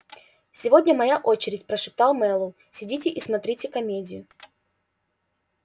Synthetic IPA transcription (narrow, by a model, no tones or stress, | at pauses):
sʲɪvo̞dʲnʲəmɐjaʔot͡ɕɪɾʲɪtʲpɾəʂɨp̚t̪alˠmɛlˠʊ | sʲɪdʲit̬ʲɪʔismɐt̪ɾʲitʲɪkɐmʲedʲɪjʊ